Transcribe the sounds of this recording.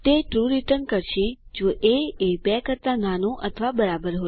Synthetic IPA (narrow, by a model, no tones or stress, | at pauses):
t̪eʈɾuɾiʈənkəɾʃed͡ʒoʔeebɛkəɾt̪ananõʔət̪ʰəʋabəɾabəɾɦo